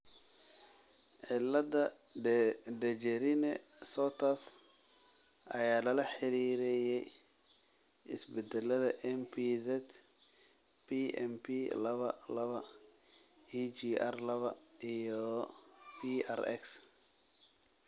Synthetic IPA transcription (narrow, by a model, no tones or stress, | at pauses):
ʕɪlɐdɐ | ɖɛt͡ʃɛɾɪnɛsɔːt̪ʰɐs | ʔɐjaːlɐlɐħɪɾiːɾɛjɛj | ʔɪsbɛd̪ɛlːɐðɐʔɛmpʰizɛd̪ | pʰiɛ̰mpʰilɐβɐlɐβɐ | it͡ʃiːʔɐrlɐβɐijɔ | pʰiɐ̰rɛ̰ks